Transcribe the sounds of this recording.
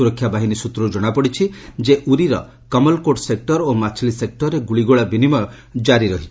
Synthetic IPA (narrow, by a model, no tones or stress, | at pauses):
uɾɔkʰːjabaɦinisut̪ɾud͡ʒɔɽ̃apɔɽit͡ʃʰid͡ʒeʔuɾiɾɔ | kɔmɔlkoʈsek̚ʈɔɾomat͡ʃʰlisek̚ʈɔɾeɡuɭiɡoɭabinimɔ | d͡ʒaɾiɾɔɦi